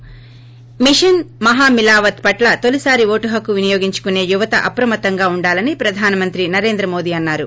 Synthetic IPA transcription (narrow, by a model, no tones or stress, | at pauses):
miʂɐnmɐɦaːmilaːʋɐt̪̚pɐʈlɐt̪olisaːɾiʋoːʈuɦɐkuʋinɐjoːɡiɲt͡ʃu̥kune̞ːjuʋɐt̪ɐ̰ʔɐpɾɐmɐt̪ɐŋɡaːuɳɖaːlɐnipɾɐd̪ʱaːnɐmɐnt̪ɾinɐɾe̞ːnd̪ɾɐmo̞ːd̪iːɐnːaːɾu